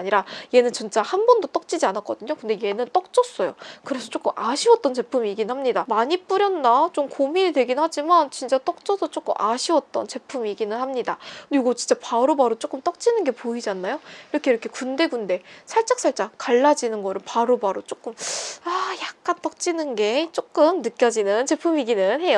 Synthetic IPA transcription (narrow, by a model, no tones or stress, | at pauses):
ɲiɾaje̞nɯnt͡ɕint͡ɕ͈ahanbʌndot͈ʌk̚t͡ɕ͈id͡ʑianak͈ʌdɯɲokɯnde̞je̞nɯnt͈ʌk̚t͡ɕ͈ʌs͈ʌjokɯɾe̞sʰʌt͡ɕ͈ok͈ɯmʔaɕʰiwʌt͈ʌnt͡ɕe̞pʰumiiɡinɯnhamɲidamaɲip͈uɾjʌnːat͡ɕomkomiɾidwe̞ɡinnhad͡ʑimant͡ɕint͡ɕ͈at͈ʌk̚t͡ɕ͈ʌsʰʌt͡ɕ͈ok͈ɯ̰mʔaɕʰiwʌt̚t͈ʌnt͡ɕe̞pʰumiɡinɯnhamɲidaiɡot͡ɕint͡ɕ͈apaɾobaɾot͡ɕ͈ok͈ɯmt͈ʌk̚t͡ɕ͈inɯnɡe̞poid͡ʑanːajoiɾʌkʰe̞iɾʌkʰe̞kunde̞ɡunde̞sʰaɭt͡ɕ͈ak̚s͈ʰaɭt͡ɕ͈akaɭːad͡ʑinɯnɡʌɾɯɭpaɾobaɾot͡ɕ͈ok͈ɯmajak̚k͈ant͈ʌk̚t͡ɕ͈inɯnɡe̞t͡ɕ͈ok͈ɯmnɯk͈jʌd͡ʑinɯnt͡ɕe̞pʰumiɡinɯnɦe̞jo